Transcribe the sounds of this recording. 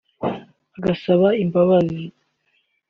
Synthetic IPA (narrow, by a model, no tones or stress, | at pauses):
aɡasaβaimbaβani